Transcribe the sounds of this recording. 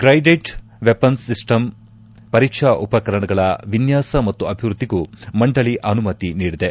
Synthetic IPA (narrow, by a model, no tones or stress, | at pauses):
kɾɐjɖeʈ | ʋepɐnsːisʈɐm | pɐɾiːkʂɐʔupɐkɐɾɐɳɐɡɐɭɐʋinjaːsɐmɐt̪ːuɐbʱiʋɾud̪ːiɡumɐɳɖɐɭiʔɐnumɐt̪iniːɽid̪e